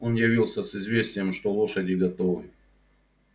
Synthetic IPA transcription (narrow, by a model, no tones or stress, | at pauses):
o̞njɪvʲilˠsʲəsɪzvʲesʲtʲɪjəmʂt̪olˠo̞ʂədʲɪɡɐt̪ovɨ̰j